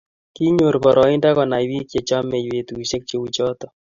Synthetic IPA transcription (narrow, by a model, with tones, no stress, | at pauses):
ki˦ɲo˨ɾpɔ˨ɾʔɔ˨i˦nda˦kɔ˨na˨jwi˦kje˨t͡ʃa˦me˨jwe˨tu˨ʃe˦k̚t͡ʃe˦wu˨t͡ʃɔ˦t̪ɔ˨